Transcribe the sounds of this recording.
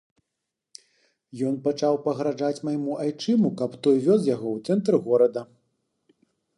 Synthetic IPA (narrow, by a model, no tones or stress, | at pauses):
jɔn̪pat͡ʂawpɐɣɾaʐat͡sʲmajmuʔajt͡ʂɨmukɐpt̪ɔjvʲɔzjaɣɔwt̪sɛnt̪ɾɨɣɔɾɐd̪ɐ